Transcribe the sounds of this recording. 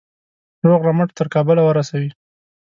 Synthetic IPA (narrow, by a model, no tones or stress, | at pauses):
ɾoɣɾaməʈt̪əɾkɑbəlawəɾasawi